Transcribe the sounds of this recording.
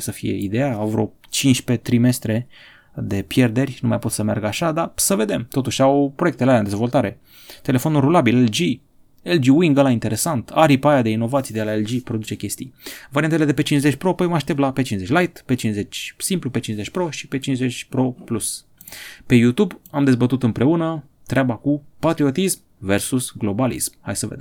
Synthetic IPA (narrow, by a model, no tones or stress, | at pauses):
səfijḛḭd̪e̞jaavɾo̰ | t͡ʃint͡ʃʲpe̞t̪ɾime̞st̪ɾe̞ | d̪e̞pje̞rd̪e̞rʲnuma̰jpo̞t̪səmea̰rɡaʃad̪asəve̞d̪e̞mt̪o̞t̪uʃʲawpɾo̞jek̚t̪elaland̪e̞zvo̞lt̪aɾe̞ | t̪e̞le̞fo̞nulrulabileld͡ʒi | eld͡ʒiwiŋɡəlaint̪e̞ɾe̞sant̪aɾipajad̪e̞ino̞vat̪sijd̪e̞laeld͡ʒipɾod̪ut͡ʃe̞kʲe̞st̪ijvaɾiant̪ele̞d̪e̞pe̞t͡ʃinszet͡ʃʲpɾo̞pemaʃt̪ep̚lapet͡ʃinze̞t͡ʃʲlajt̪pe̞t͡ʃinze̞t͡ʃʲsimplupe̞t͡ʃinze̞t͡ʃʲpɾo̞ʃi̥pe̞t͡ʃinze̞t͡ʃʲpɾo̞plus | pe̞jut̪ubamd̪e̞zbət̪ut̪ɨmpɾe̞unə | t̪ɾeabakupat̪ɾio̞t̪ism | ve̞rsusɡlo̞balḭsmha̰jsəved̪em